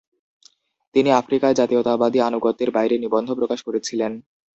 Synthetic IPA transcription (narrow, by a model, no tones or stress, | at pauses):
t̪iniafɾikaed͡ʑat̪iot̪abad̪ianuɡot̪ːeɾbajɾenibond̪ʱopɾokaʃkoɾet͡ɕʰilen